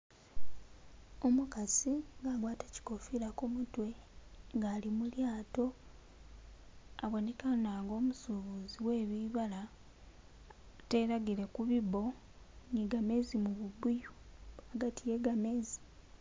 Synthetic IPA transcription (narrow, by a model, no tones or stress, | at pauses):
omukasiŋɡaɡwaːtḁci̥kofiɾakumutwe̞ŋɡalimuljaːto̞ | aβwonekanaːŋɡo̞ːmusuβuziwe̞ːβiβala | te̞ɾaɡiɾekuβiβo̞ | niɡame̞zimuβubujuaɡatʰije̞ɡame̞zi̥